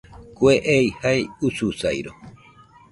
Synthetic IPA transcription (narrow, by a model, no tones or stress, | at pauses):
kʷeʔeihajususajɾo